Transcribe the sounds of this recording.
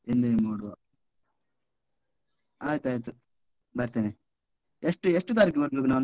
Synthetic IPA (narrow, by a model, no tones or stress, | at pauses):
ind̪emuːɽuʋa | aːjɐt̪uaːjɐt̪u | bɐɾt̪eːne | eʂʈueʂʈːut̪aːɾik̬ːibɐɾbeːk̬unaːn